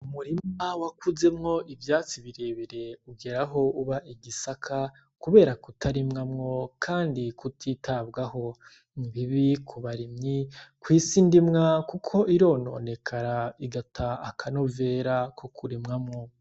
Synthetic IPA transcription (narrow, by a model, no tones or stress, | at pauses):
umuɾimawakuze̞mŋo̞ʔivjaːt͡siβiɾeːβiɾe̞uɡe̞ɾaɦo̞uβaʔiɡisakʰa | kuβe̞ːɾakutʰaɾimŋamŋo̞kʰaːndikutʰitʰabɡaho̞ | niβiβikʰuβaɾimɲikwiːsindimŋakukʰo̞ʔiɾo̞ːno̞̰ːne̞kʰaɾaiɡatʰaːkʰano̞ve̞ːɾakʰokuɾimŋamŋo̞